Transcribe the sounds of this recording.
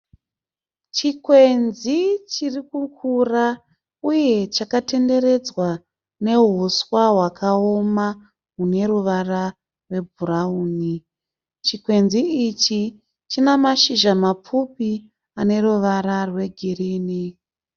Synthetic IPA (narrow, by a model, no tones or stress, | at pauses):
t͡ʃikwe̞nzit͡ʃirikukʰura | uje̞t͡ʃakate̞nde̞ɾe̞d͡zwa | ne̞ɦuswaɦwakʰaoma | ɦune̞ɾuʋara | rwe̞bʱuɾauːni | t͡ʃikwe̞nziːt͡ʃi | t͡ʃinamaʃiʒamap͡fupi | ane̞ruʋaɾarwe̞ɡʱiriːni